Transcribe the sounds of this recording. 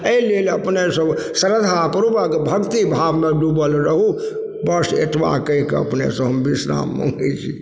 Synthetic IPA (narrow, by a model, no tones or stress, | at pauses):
eileləpnesə̃səɾəd̪ʱapəɾubəkebʱəkt̪ibʱaːbmẽɖubəlɾəɦu | bəsḛʈ̪ʰʋa̰kə̃ĩkeə̰pnḛsə̃ɦəmbisɾa̰ːmːə̰̃ŋɡɛt͡ʃʰi